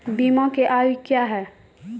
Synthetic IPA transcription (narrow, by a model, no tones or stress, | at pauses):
bimãkeʔaːjokjaɦɛː